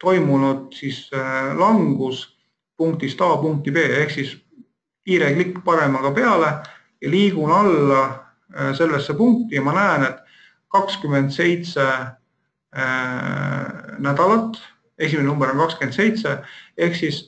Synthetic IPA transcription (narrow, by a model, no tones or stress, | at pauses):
t̪o̞jmunud̪̥sislɑŋɡ̥us | puŋkt̪ist̪ɑːpuŋk̚t̪ipe̞ːe̞hksis | iːɾeɡ̥likːˑpɑɾe̞mɑɡ̥ɑpe̞ɑle̞ | jɑliːɡ̥unɑlːɑ | se̞lːesːepuŋk̚t̪ˑijɑmɑnæːne̞t̪ːˑ | kɑkskymend̪se̞jt̪se̞ | næd̪̥ɑlɑt̪ːˑ | e̞sʲimennumbeɾo̞nkɑkskymed̪se̞jt̪se̞e̞hksis